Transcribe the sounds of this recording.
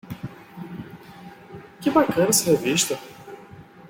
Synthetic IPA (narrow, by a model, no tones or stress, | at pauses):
kɪbakɐ̃nɐsɪheviʃt̪ɐ